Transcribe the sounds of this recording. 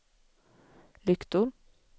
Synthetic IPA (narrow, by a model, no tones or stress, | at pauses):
lʏkt̪ʊm